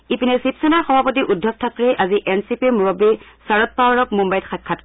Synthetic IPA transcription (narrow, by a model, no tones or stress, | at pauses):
ipinɛsipsɛnaɹxɔbʱapot̬iʔudʱːɔk̚tʰatɹɛjʔaziʔɛnsipimuɹɔbisaɹɔt̚pawɹɔk̚mumbajtxat̚kʰat